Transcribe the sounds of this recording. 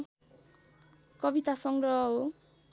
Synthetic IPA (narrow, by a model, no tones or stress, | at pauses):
kʌbit̪asɔŋɡɾɔɦɔo